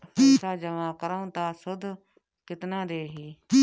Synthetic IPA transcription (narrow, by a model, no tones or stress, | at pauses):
t̪ʰaːd͡ʒəʋãːkəɾaũːt̪aːsʊd̪ʱ | kɪt̪nãːɾeːɦiː